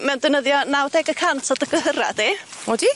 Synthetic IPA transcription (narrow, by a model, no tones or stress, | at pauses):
mɛwndɛnəðjɔnawdɛɡəkʰantʰɔdəɡəɦəɾa̰d̥eodi